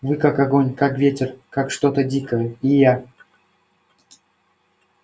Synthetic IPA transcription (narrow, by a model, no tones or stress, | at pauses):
vɨkakaɡonʲkakvʲetʲɪrkakʂt̪ot̪ədʲikəjəija